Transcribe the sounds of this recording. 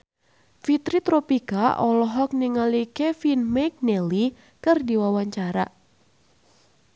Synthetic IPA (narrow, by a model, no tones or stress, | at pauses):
fit̪ɾit̪ɾopikaʔɔlɔɦɔk̚niŋalikɛfinmɛk̚nɛli | kɨrdiwawaɲt͡ʃaɾa̰